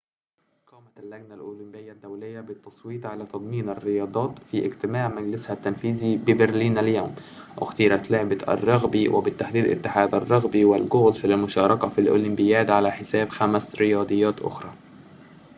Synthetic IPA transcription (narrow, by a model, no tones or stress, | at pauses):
qɑːmælːæɡnalʔoːlɪmbɪjːæd̪ːæwlɪjːæbɪt̪ːɑsˤwiːt̪ʕalæːt̪ɑd̪ˤmiːnarːɪjɑːd̪ˤɑːt̪fiʔɪ̰ɡt̪ɪmaːʕmæɡlɪshæt̪ːænfiːzibɪbɪɾliːnʔaljoːm | wʔɪ̰xt̪iːɾɑt̪lʊʕbaɑ̰rˤːɑɣbiwʔɪ̰bɪt̪ːaħd̪iːd̪ʔɪ̰t̪ːɪħaːd̪ɑrˤːɑɣbiwɪlɡʊɣd̪filmʊʃɑːɾˤɑkɑfilʔo̰ːlɪmbɪjæːd̪ʕalæħɪsæːbxæmsɾɪjɑːd̪ˤɨjːæːt̪ʔʊ̰xɾˤɑː